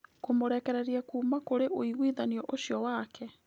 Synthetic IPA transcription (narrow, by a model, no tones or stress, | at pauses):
komoɾɛkɛɾɛɾiakuːmakoɾeʔoiɣwiðaniɔʔoɕjɔwakɛ